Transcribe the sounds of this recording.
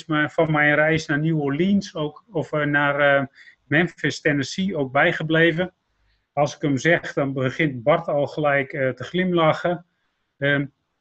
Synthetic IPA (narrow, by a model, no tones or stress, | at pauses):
smfɔnmɛjənrɛjsnanuəlinsoːkɔfnarmɛnfɛstɛnəsiowk̚bɛjχəbleːvə | ɑlˠsɪ̥kəmzɛχdɔnbəχɪntbɔrtɔlˠχəlɛjkətəχlɪmlaxə | ə